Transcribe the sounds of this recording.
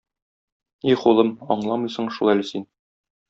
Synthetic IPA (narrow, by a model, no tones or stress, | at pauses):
iχulˠɤmɒɴlˠɑmɤjsɤ̆ɴʃulˠælɘsin